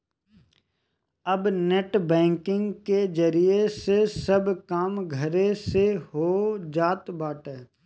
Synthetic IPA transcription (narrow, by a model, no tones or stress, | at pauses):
ɐbneːʈbɛ̃ːŋkɪ̃ŋɡked͡ʒəɾiesesɐbkaːmɡʱəɾeseɦoːd͡ʒaːt̪baːʈɛː